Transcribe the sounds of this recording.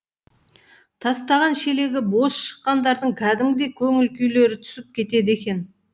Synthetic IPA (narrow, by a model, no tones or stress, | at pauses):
t̪ʰɑst̪ɑʁɑnʃe̞le̞ɡʲɪbo̞sʃə̥qːɑnd̪ɑɾd̪əɴkʲʰæd̪ɪmɡʲɪd̪e̞kʲʰɵŋɪlkʲʏjle̞ɾɪt̪ʰʏ̥sɪp̚kʲʰe̞t̪e̞d̪e̞kʲe̞n